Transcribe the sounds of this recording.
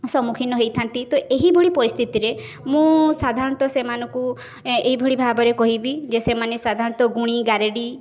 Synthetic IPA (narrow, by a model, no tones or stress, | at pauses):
sɔmukʰinɔɦejt̪ʰant̪it̪oʔeɦibʱoɭipɔɾist̪ʰit̪iɾe | mũsad̪ʱaɾɔnt̪ɔsemanɔ̃ŋku | eɦibʱɔɭibʱabɔɾekɔɦibid͡ʒesemanesad̪ʱaɾɔɽ̃ɔt̪ɔɡuɽ̃iɡaɾeɽi